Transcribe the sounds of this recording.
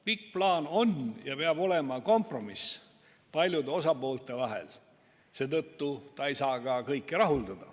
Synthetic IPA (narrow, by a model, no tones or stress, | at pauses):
pikːplɑːno̞njɑpeɑb̥o̞le̞mɑko̞mpro̞mis | pɑlʲjud̪eo̞sɑpo̞ːlt̪ˑe̞vɑɦḛl | se̞ːt̪ɤt̪ːut̪ɑejsɑːɡ̥ɑkɤjkːˑiɾɑɦuld̪ɑd̪̥ɑ